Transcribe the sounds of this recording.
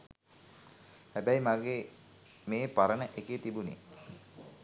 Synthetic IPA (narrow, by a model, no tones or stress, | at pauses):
hæbæjmaɡeː | meːpaɾənəʔeket̪ibunḭ